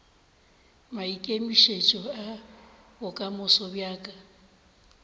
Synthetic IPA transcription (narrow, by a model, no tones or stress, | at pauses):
maikʼemiʃet͡ʃʼɔabʊkʼamʊsɔbjaːkʼa